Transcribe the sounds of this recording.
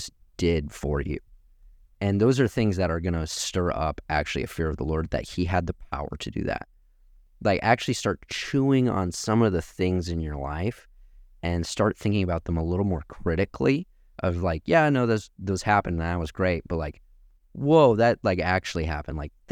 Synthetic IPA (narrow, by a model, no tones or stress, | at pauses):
sd̥ɪd̥fə˞jʉ̰ | ɨ̃nðoʊzə˞θɪ̃ŋzðɨɾə˞ɡʌnɨstɜ˞ʌ̰pʔæk̚t͡ʃʉl̩ˠḭɨ̰̥fɪɹʌvðəlɔɹd̪̚ðɨ̰t̚hiɨd̪̚ðɨpʰaʊə̰˞ɾɨdɨ̰ðæ̰t̚ | laɪkæk̚t͡ʃʉl̩ˠistɑɹtt͡ʃʰuɪ̃ŋə̰̃nsʌ̃mʌvðɨθɪ̃ŋzɨ̃njə˞la̰ɪf | ʔɨ̃nstɑɹt̪̚θɪ̃ŋkɪ̃ŋɨbaʊt̪̚ðə̃məlɪɾl̩ˠmɔɹkʰɹ̥ɪɾɨkʰli | ʔʌvlaɪkjænoʊðozðoʊz̥hæpɨ̃ñnat̚wʌzɡɹeɪt̚b̥ʌt̚laɪk | woʊðɨt̚laɪkæk̚t͡ʃʉl̩ˠiɦæpndlaɪk̚